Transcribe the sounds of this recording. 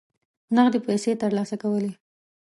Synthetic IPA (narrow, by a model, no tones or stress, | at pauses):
naɣd̪epajset̪əɾlɑsakawəle